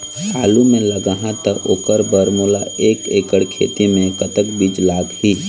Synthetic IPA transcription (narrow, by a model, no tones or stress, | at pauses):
hʰaːlumẽləɡaɦãt̪əʔo̰ːkəɾbəɾmulaeːkeːkəɽkʰḛːt̪imẽkət̪əkbid͡ʒlaːɡhiː